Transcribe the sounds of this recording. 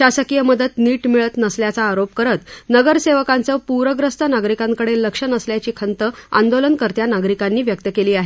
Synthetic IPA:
ɕasəkijəməd̪ət̪niːʈmiɭət̪nəsljat͡saːɾopkəɾət̪nəɡəɾseʋəkãnt͡səpuɾəɡɾəst̪ʰənaɡɾikãŋkəɽelːəkʂənəsljat͡ɕiːkʰənt̪əa̰nd̪olənkəɾt̪janaɡɾikanːiːʋjək̚t̪əkeliːaɦe

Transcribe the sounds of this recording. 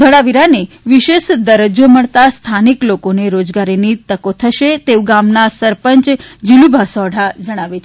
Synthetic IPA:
d̪ʱəɭaʋiɾane | ʋiʃeʃd̪əɾəd͡ʒoməɭt̪ast̪ʰaniklokoneɾod͡ʒɡaɾinit̪əkot̪ʰəʃet̪eʋɡamnasəɾpəɲt͡ʃd͡ʒilubʱasɔɽ̤ʱad͡ʒəɽ̃aʋet͡ʃʰ

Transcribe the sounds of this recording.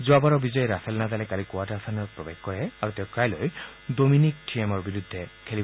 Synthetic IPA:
zuabaɹɔbizɔjɾasɛlnazalɛkalikuaʈaɹsʰanɔɹpɹɔbeɡkɔɹɛaɹuteʊkajloj | dominik̚ʈʰiemɔɹbiɹud̪ʱːɛkʰeli

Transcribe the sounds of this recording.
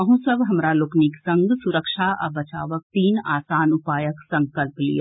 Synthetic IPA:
əɦũːsəbɦɐmɾalʊkniksɐ̃ŋɡsʊɾəkʃaɐ̰bɐt͡ʃaːʋək̚t̪iːnaːsaːnʊpaːjəksɐ̃ŋkəlplḭja̰ː

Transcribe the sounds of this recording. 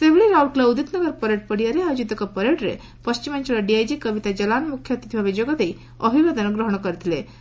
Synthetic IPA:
seʋɭiɾauɽklaud̪it̪nəɡəɾpəɾeʈ̚pəɽijaɾead͡ʑut̪əkapəɾeʈɾḛ | pəst͡ɕimant͡ɕilaɖiajd͡ʑikəʋit̪ad͡ʑɐlanmukʰjət̪it̪ʰʋabid͡ʑoɡat̪ei | əbʱiʋad̪anəɡɾəɦɳ̃ɔkəɾt̪ile

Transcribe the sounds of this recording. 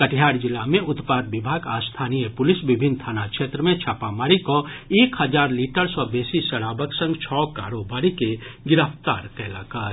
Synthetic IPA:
kəʈʰjaːɾd͡ʒɪlːamẽʊt̪paːd̪ʋɪbʱaːɡaːst̪ʰaːnijəpʊlɪsbɪbʱɪnt̪ʰaːnakʃeːt̪ɾəmẽt͡ʃʰaːpamaːɾikoeːkhəd͡ʒaːɾliːʈəɾsɔbeːsisəɽaːbəksə̃ŋɡt͡ʃʰɔːka̰ːɾoːbaːɾikeɡɪɾəpt̪aːɾkɛlakəɾ

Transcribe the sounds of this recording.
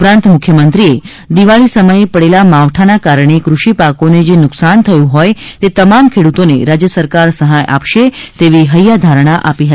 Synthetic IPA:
pɾãnt̪mʊkʰjəmənt̪ɾie | d̪iʋaɭisəməjepəɽelamaʋʈʰanakaɾɳ̃ekɾuʃipakoned͡ʒenʊksant̪ʰəjũɦɔjt̪et̪əmamkʰeɽut̪oneɾad͡ʒjəsəɾkaɾsəɦajʔa̰pʃet̪eʋiɦəjad̪ʱaɾəɳ̃aʔapiɦət̪i

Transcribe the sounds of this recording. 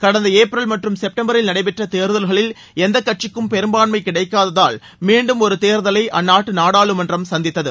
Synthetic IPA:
kɐɽɐnd̪ɐeːpɾɐlmɐʈrɯmsɛp̚ʈɐmbɐɾɪlnɐɽɐɪpɛʈrɐt̪eːɾðɐlɣɐɭɪl | ɛnd̪ɐkːɐʈ̚t͡ʃɪkːɯmpɛɾɯmbaːɳmɐɪkɪɽɐɪkːaːðɐða̰ːl | miːɳɖɯmɔɾɯt̪eːɾðɐlɐɪʔɐnːaːʈːɯnaːɽaːɭɯmɐndrɐmsɐnd̪ɪt̪ːɐðɯ

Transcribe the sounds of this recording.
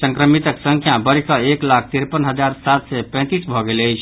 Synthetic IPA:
səŋkɾəmit̪əksə̃ŋkʰjabəɾikəeklak̚ʰt̪iɾpənɦəd͡ʒaɾsat̪sɛpɛ̃t̪isbʱɔɡeləjt͡ʃʰ

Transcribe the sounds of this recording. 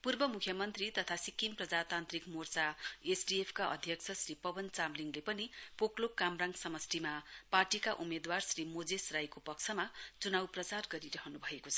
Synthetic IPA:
purbʌmukʰjʌmʌnt̪rit̪ʌt̪ʰasikːimprʌd͡zat̪ant̪rikmort͡saesɖiepʰkaʔʌ̰d̪ʱjʌkt͡sʰʌsripʌbʌnt͡samliŋɡlepʌnipoklokːamraŋɡsʌmʌsʈimaparʈikaʔumed̪warsrimod͡zesrajkopʌksʰʌmat͡sunawprʌt͡sarɡʌɾiɾʌɦʌnubʱʌekot͡sʰʌ

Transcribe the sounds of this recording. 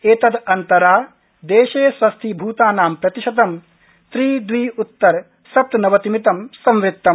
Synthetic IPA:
eːt̪ɐd̪ɐnt̪ɐɾaː | d̪eːʃeːsʋɐst̪ʰibʱuːt̪aːnaːmpɾɐt̪iʃɐt̪ɐm | st̪ɾiːd̪wʋiːut̪ːɐɾ | sɐp̚t̪nɐʋɐt̪imit̪ɐmsɐmʋɾɪtt̪ːɐm

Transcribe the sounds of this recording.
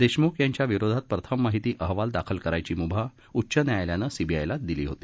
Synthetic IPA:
d̪eɕmukjaɲt͡ɕjaʋiɾod̪ʱat̪̚pɾət̪ʰəmːaɦit̪iːʔəɦʋald̪akʰəlkəɾajt͡ɕiːmubʱa | utːɕənjajljanəsibʱija̰jlat̪̚d̪ilḭːɦot̪i̥ː

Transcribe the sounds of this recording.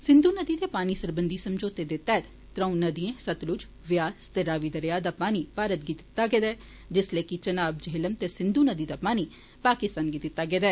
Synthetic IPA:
sɪ̃nd̪uːnəd̪iːt̪eːpaːniːsəɾbənd̪iːsəmd͡ʒoːt̪ed̪eːt̪ɛːd̪ | t̪ɾə̃ũnəd̪iẽːsət̪lʊd͡ʒ | ʋɪjaːzt̪eɾaːʋiːd̪əɾjaːd̪aːpaːniːpaːɾət̪̚ɡiːt̪ɪ̥t̪ːaːɡɛːd̪aɛː | d͡ʒɪsleːkit͡ʃənaːbd͡ʒeːləmt̪esɪ̃nd̪uːnəd̪iːd̪aːpaːniː | paːkɪst̪aːnɡit̪ɪt̪ːaːɡɛːd̪aɛː

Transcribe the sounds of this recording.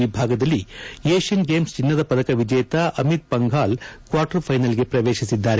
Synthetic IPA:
ibʱaːɡɐd̪ɐlːieːʃɐnɡeːmst͡ʃinːɐd̪ɐpɐd̪ɐkɐʋid͡ʒɐjɐt̪ɐʔɐmit̪̚pɐŋɡʱaːlkʋaːɾʈɐɾpʰɐjnɐlɡe̞pɾɐʋeːʃisid̪ːaːɾe

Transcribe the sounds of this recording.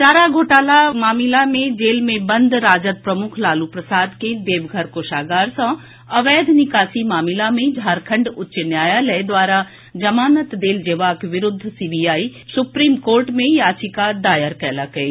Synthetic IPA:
t͡ʃaːɾaɡʱoːʈaːlamaːmɪlamẽd͡ʒeːlmẽbɐ̃nd̪ʱɾaːd͡ʒət̪̚pɾɐmʊkʰlaːlupɾɐsaːd̪ked̪eːʋɡʱəɾkoːʃaːɡaːɾsã | ɐʋɛːd̪ʱnɪkaːsimaːmɪlamẽd͡ʒʱaːɾkʰə̃ɳɖʊtːʃnjaːjalɛd̪waːɾa | d͡ʒɐmaːnət̪d̪eːld͡ʒeːʋaːkʋɪɾʊd̪ʱːsiːbiːjaːisʊpɾiːmkoːɾʈmẽjaːt͡ʃikad̪aːjəɾkɛːlakɐeː

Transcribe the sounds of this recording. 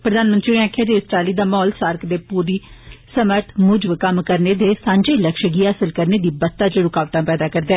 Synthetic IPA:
pɾəd̪aːnmə̃nt̪ɾiːnẽaːkʰjaːd͡ʒiːɪsʈaːliːd̪aːmɔːlsaːɾkd̪eːpuːɾiː | səməɾt̪ʰmʊd͡ʒʋkəmkəɾneːd̪eːsãːɲd͡ʒeiːləkʃəɡiːɦaːsəlkəɾneːd̪iːbət̪ːãːt͡ʃəɾʊkaːʋt̪ãːpɛːd̪aːkəɾd̪eɛː

